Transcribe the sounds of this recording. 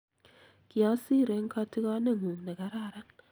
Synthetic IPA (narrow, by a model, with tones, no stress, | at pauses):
ki˨a˦si˦˨ɾe˨˦ŋka˦ti˦ka˦ne˦ŋu˨ŋnɛ˨ka˨˦ɾa˦˨ɾa˦n